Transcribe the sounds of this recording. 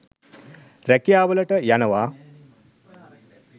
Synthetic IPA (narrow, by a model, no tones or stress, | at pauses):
ɾɛkijaːʋɐlɐʈɐjanɐʋaː